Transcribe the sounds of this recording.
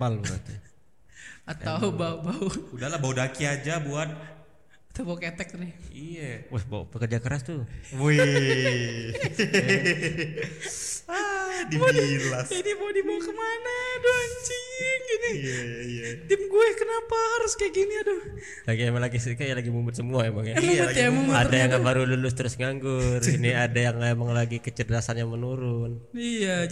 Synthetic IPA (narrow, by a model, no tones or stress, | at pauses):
balbə̰t̪u | at̪aubaubauudalabaudakiad͡ʒabuat̪̚ | at̪abauket̪ɛk̚nɪhijawasba̰ṵpəkərd͡ʒakəɾast̪uwi | adiilaidibodibaukəmanadɔŋt͡ʃiŋd͡ʒadiiat̪ɪmɡuɛkənapahaɾʊskajaɡiniadɔ | laɡiemalaɡisəkajalaɡimumʊt̪səmuaemaŋjamujamumʊtadajaŋbaɾululʊst̪əɾʊsŋaŋɡʊriniadajaŋemaŋlaɡikət͡ʃədəasanjamənuɾʊn | ija